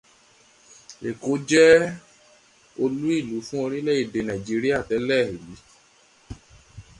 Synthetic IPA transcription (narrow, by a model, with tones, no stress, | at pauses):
e˨ko˨˦d͡ʒɛ˦ | o˧lu˦i˦˨lu˨˦fũ˦o˧ɾĩ˦lɛ˦i˦˨de˨nã˨d͡ʒi˨˦ɾi˦a˦˨tɛ˨˦lɛ˦˨ɾi˨˦